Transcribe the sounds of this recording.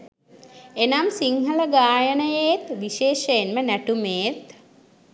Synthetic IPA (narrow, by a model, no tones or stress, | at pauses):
enamsiŋɦɐləɡaːjənəjeːt̪ʋiʃeːʃɐjenmənæʈumeːt̪